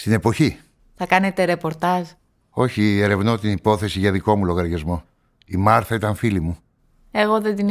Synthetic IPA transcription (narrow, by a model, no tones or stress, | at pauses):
st̪ine̞po̞çi | θɐkɐnet̪e̞ɾe̞po̞ɾt̪ɐz | o̞çie̞ɾe̞vno̞t̪inipo̞θe̞siʝɐðiko̞mulo̞ɣɐɾʝɐzmo̞ | imɐɾθɐit̪ɐɱfilimu | e̞ɣo̞ðed̪in